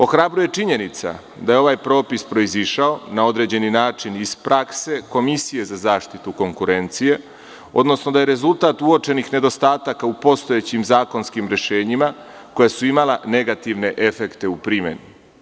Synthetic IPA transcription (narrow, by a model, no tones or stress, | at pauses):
o̞xɾabɾuje̞t͡ʃiɲe̞nit̪sa̰ | d̪ajeo̞ʋaːjpɾo̞ːpispɾo̞iziʃao̞nao̞d̪ɾe̞d͡ʑe̞ninaːt͡ʃiniz̥pɾʔakse̞ko̞misije̞zazaːʃt̪it̪uko̞ŋkuɾe̞nt̪sije̞ | o̞̰d̪no̞sno̞d̪aje̞ɾe̞zulˠt̪aːt̪uot͡ʃe̞nixne̞d̪o̞st̪aːt̪akaupo̞st̪o̞jet͡ɕimzaːko̞nskimɾe̞ʃe̞ːɲima | ko̞jasuimalane̞ɡat̪iʋne̞ʔe̞fe̞kt̪e̞upɾime̞̰nu